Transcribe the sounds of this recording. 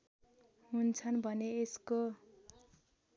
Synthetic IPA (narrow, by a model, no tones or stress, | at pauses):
ɦunt͡sʰʌnbʱʌneːsko